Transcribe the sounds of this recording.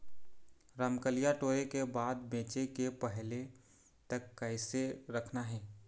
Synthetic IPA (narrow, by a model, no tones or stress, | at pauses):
ɾəmkəlijaʈoːɾekebaːd̪bẽːt͡ʃekepɛɦle | t̪əkːɛɪseɾəkʰnaɦɛː